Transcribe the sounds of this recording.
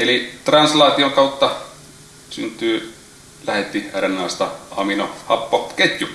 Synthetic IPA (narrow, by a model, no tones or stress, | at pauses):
elit̪rɑnslɑːt̪ioŋkɑut̪ːɑ | synt̪ˑyː | læhet̪ːiærenːˑɑˑːst̪ɑɑminohɑpːoket̪ʲju